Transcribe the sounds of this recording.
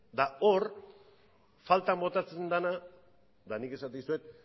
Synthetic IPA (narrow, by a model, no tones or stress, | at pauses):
d̪ao̞ɾ | falt̪ambo̞t̪at͡se̞nd̪ana | d̪anike̞sat̪esue̞t̪̚